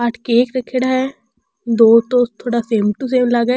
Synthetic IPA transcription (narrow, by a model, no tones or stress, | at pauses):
aːʈʰkeeːkɾɐkʰːeɽaɦɛ | d̪oːt̪ot̪ʰoːɽaseːmʈus̬eːmlaɡe